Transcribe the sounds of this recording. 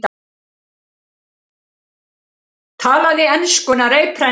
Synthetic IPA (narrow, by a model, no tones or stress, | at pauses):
t̪ | t̪ʰaːlaðɪɛnskʏnaɾejpʰɾɛ